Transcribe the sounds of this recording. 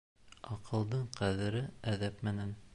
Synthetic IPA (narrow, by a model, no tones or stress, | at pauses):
ɒqɤ̆lˠd̪ɤɴqæðɘ̆ɾɘæðæpmænæn